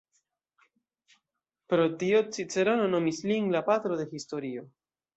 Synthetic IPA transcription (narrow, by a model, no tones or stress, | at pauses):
pɾot̪iot͡sit͡se̞ɾonono̞misliŋlapat̪ɾoðe̞xist̪o̞ɾio